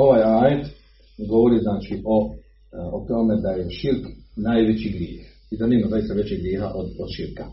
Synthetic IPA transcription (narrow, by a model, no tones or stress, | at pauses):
o̞ʋaːjaːjet̪ | ɡo̞ʋo̞ɾiznaːt͡ʃiʔo̞ | ot̪o̞me̞d̪ajeʃiɾknaːjʋet͡ɕiɡɾjeːx | id̪aneːmazajist̪aʋe̞t͡ɕeɡɾjeːɦaʔod̪od̪ʃiɾka